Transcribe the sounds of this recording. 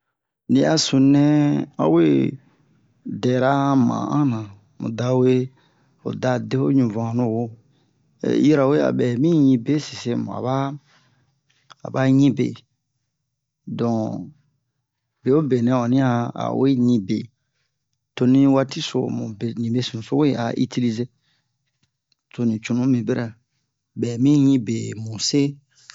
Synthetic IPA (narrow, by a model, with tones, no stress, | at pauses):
nĩ˦a˨sũ˨nɛ̃˦a̰˦we˦ | dɛ˨ɾa˦mã̰˨ã˦nã˨ | mṵ̃˨da˨we˦ | o̰˨da˦de˦ho̰˦ɲũ˨vã˨nũ˦˨wo̰˦˨ | ji˦ɾa˨we˦a̰˨bɛ˨mĩ˦ɲĩ˧˦be˦si˨se˦mṵ̃˨a̰˨ba˦˨ | ba˦ɲĩ˦be˨ | dɔ̃˨ | be˨o˦be˨nɛ̃˦ɔ˨nĩ˦a˦a̰˨we˦ɲĩ˦be˨ | to˨nĩ˦wa˦ti˦so̰˨mṵ̃˨be˨ɲĩ˨be˦sĩ˨ũ˨so˦we˦ʔa̰˨ʔi˦ti˦li˦ze˦ | to˨nĩ˨t͡ʃu˨nũ˦mĩ˨be˦ɾɛ˨ | bɛ˨mĩ˦ɲĩ˦be˨mũ˨se˦